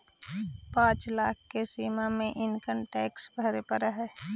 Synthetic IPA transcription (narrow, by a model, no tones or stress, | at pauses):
pãːt͡ʃlaːk̚ʰkesiːmamẽʔɪnkəmʈɛːksbəɾepəɾəɦɛː